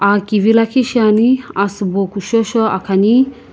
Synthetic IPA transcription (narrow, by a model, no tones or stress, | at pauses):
akiʋilakʰiʃaniasbokuʃɔʃɔa̰kʰani